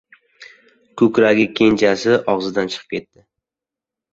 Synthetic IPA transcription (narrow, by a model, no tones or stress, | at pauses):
kʰɵkʲɾaɡʲɪkʲʰe̞nt͡ʃʰasɪʔɒʁzɪd̪ant͡ʃʰɨ̥qʰɨ̥pkʲʰe̞t̪ːɪ